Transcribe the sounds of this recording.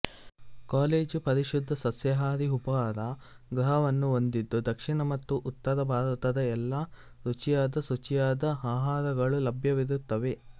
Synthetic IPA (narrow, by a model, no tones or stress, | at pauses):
kaːleːd͡ʒupɐɾiʃud̪ʱːɐsɐsjɐɦaːɾiupɐaːɾɐ | ɡɾɐɦɐʋɐnːuond̪id̪ːud̪ɐkʂiɳɐmɐt̪ːuʔut̪ːɐɾɐbʱaːɾɐt̪ɐd̪ɐɛlːɐ | ɾut͡ʃijaːd̪ɐsut͡ʃijaːd̪ɐaːɦaːɾɐɡɐɭulɐbʱjɐʋiɾut̪ːɐʋe̞